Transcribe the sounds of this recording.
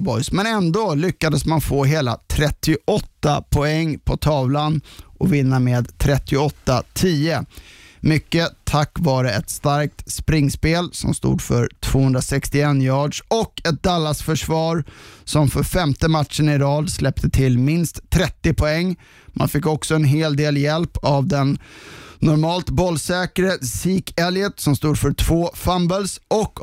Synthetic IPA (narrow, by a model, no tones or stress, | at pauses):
bɔjsmɛnɛnd̪oːlʏkːad̪əsmanfoːɦeːla̰t̪ʰɾɛt̪ːɪʊʔɔt̪ːa̰pʰɔɛŋːpʰɔt̪ʰɑːvlanʔɔvɪnːameːd̪t̪ʰɾɛt̪ːɪʊɔt̪ːat̪ʰiːəmʏkːət̪ʰakːvɑːɾəɛt̪st̪aɾk̚t̪spɾɪŋːspeːlsɔ̰mst̪ṵːd̪fœɾt̪ʰv̥oːhɵnd̪ɾasɛkst̪ɪɛnjɑːɖʂɔkːɛt̪̚d̪alːasfœʂvɑːɾsɔmfœɾfɛmt̪əmat̪ʂənɪɾɑːd̪slɛpt̪ʰət̪ʰɪlmɪnst̪ʰːɾɛt̪ːɪpʰɔɛŋː | mʔa̰nfɪkːɔksɔɛnɦeːld̪eːljɛlpʰavd̪ɛnː | ɔɾmɑːlt̪bɔlsɛːkɾəsiːkʰɛljət̪sɔmst̪uːd̪fœʈʰv̥oːfambəlsɔkː